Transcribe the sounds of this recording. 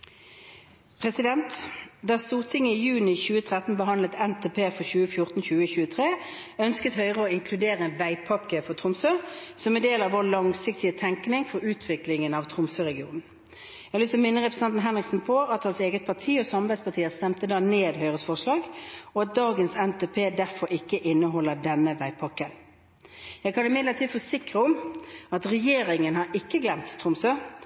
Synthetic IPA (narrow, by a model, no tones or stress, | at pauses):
pʰʁɛsɪd̪ɛnt̪d̪æʁst̪uːʁt̪ʰɪŋːəɪjʉːnɪçʉːət̪ʰʁɛt̪n̩bəɦɑnlət̪ɛnt̪ʰeːpʰeːfɔʁçʉːəfjʊʁt̪n̩çʉːəçʉːət̪ʰʁeː | œnskət̪hœʏʁəoːɪŋkʰlʉd̪eːʁəɛnʋæɪpʰɑkːəfɔʁt̪ʰʁʊmsøːsɔmɛnd̪eːlɑːʋoːlɑŋsɪk̚t̪ɪət̪ʰɛŋknɪŋfɔɾʉːt̪ʰʋɪklɪŋənɑʋt̪ʰʁʊmsøːʁɛɡɪṵːnn̩ | jæɡlysmɪnːəʁɛpɾəsɛnt̪n̩ɦɛnʁɪksn̩pʰɔɑt̪hɑnseːɡət̪̚pʰɑt̪ʰiːɔsɑmbæɪspɑt̪ʰiːəst̪ɛmt̪əd̪ɑːneːd̪hœʏʁəsfɔʂɭɑːɡɔɑt̪̚d̪ɑːɡənsɛnt̪ʰeːpʰeːd̪æʁfɔɾɪkːəʔɪnːəɦɔlːədɛnːəʋæɪpʰɑkːən | jæɪɡkʰɑnɪmɪd̪lət̪ʰiːd̪foːsɪkʁəʊmɑt̪ʁɛjeːʁɪŋənhɑɾɪkːəɡlɛmt̪tʰːɾʊmsøː